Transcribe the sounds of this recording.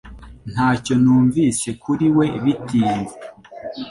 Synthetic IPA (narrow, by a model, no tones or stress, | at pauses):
n̥haːco̞nuːɱvise̞kuɾiwe̞βitiːnze